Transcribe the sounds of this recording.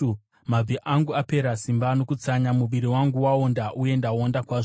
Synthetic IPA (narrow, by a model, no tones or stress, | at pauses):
mab͡viʔaŋɡuape̞ɾasimbano̞kut͡saɲamuʋiɾiwaŋɡuwaondaʔuje̞ndaondakwaːʐ